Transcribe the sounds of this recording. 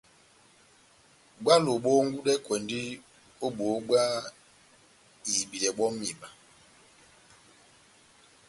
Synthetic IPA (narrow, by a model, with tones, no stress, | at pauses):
ɡ͡bwa˦lo˨ɓo˦ŋ˦ɡu˦dɛ˦kwɛ˨ndi˦ | o˦ɓo˨˦ɡ͡bwa˦ | zi˨bi˨lɛ˨ɓɔ˦mː˦i˨ma˨